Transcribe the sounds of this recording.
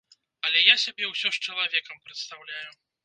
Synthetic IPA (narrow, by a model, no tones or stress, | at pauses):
ɐlʲɛjasʲabʲɛwsʲɔʂt͡ʂɐlˠavʲɛkɐmpɾɛt̪st̪awlʲaju